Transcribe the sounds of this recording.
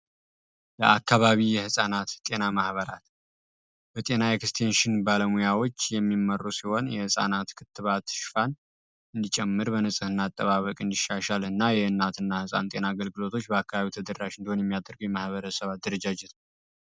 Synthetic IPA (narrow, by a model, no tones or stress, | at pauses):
ləʔakːaβaβijɛhɨsʼanat̪t̪ʼe̞namahβəɾa̰t̪ | bət̪ʼe̞naekst̪ʰenʃɪnbaləmujawo̞t͡ʃːjɛmːimːərːusiho̞njɛhɨsʼa̰nat̪kʰɨt̪ːɨβat̪ʃfan | ɨnd̪it͡ʃʼɛmːɨɾbənɨsʼɨhɨnːat̪ʼːəβaβəkʼɨnd̪iʃaʃalɨnːajɛɨnːat̪ɨnːahɨsʼa̰nt̪ʼe̞naːɡəlɡɨlo̞t̪ʰo̞t͡ʃːbəakːaβaβit̪ʰəd̪ərːaʃɨnd̪iho̞njɛmːijad̪əɾɡəwjɛmahβəɾəsəβat̪̚d̪ɨɾəd͡ʒad͡ʒɛt̪n